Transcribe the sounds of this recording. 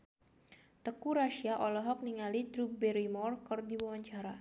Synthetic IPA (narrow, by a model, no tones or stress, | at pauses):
t̪əkuɾaʃiaʔɔlɔɦɔk̚niŋalid̪ɾup̚bɛɾimɔrkɔrdiwawaɲt͡ʃaɾa